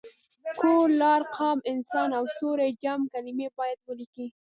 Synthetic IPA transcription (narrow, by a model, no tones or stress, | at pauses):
koɾlɑɾqɑmɪnsɑnawst̪oɾed͡ʒamkalɪmebɑjad̪̚wəliki